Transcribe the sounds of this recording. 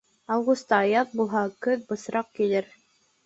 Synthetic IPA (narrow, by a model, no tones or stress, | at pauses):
ɑwʁust̪ɑjɑt̪̚bulˠɦɑkɵðbɤ̆sɾɑq̚kilɘɾ